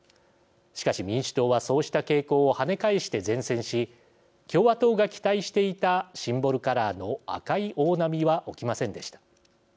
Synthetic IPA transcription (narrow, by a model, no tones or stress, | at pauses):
ɕi̥kaɕimʲĩɰ̃ɕi̥t̪o̞ːβaso̞ːɕi̥t̪ake̞ːko̞ːhane̞kaiɕi̥t̪e̞zẽ̞ɰ̃sẽ̞ɰ̃ɕi | kʲo̞ːβat̪o̞ːɡakʲi̥t̪aiɕi̥t̪e̞it̪aɕĩmbo̞ɾɯ̟kaɾano̞a̰kaiʔo̞ːnamʲiβaʔo̞kʲimasẽ̞nd̪e̞ɕi̥t̪ḁ